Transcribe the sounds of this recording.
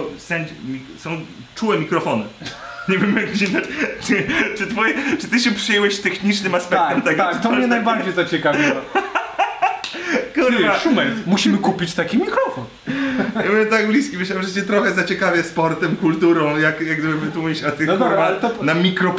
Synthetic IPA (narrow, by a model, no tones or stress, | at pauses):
sɛnd͡ʑmʲi | sɔ̃w̃ | t͡ʂuwɛmʲikɾɔfɔnɨɲɛvʲɛmjaɡɡd͡ʑena | t͡ʂɨt̪fɔjɛt͡ʂɨt̪ɨɕɛpʂɨjɛwɛɕt̪ɛxɲit͡ʂnɘmaspɛkat̪ɛmt̪ɛɡ̪at̪ɔmɲɛnajbaɾd͡ʑejzat͡ɕɛkavʲ | kuɾaʂumɛt̪muɕimɘkupʲit͡ɕt̪akʲimʲikɾɔfɔn | ɛmujʲɛt̪aɡ̚blʲiskʲimɘɕlawʐɛt͡ɕɛt̪ɾɔxɛzat͡ɕɛkavʲɛspɔɾt̪ɛmkult̪uɾɔ̃w̃jakjaɡd̪ɨbɘvɨt̪uiɕat̪ɨxɔɔɾmat̪ɔnamʲikɾɔp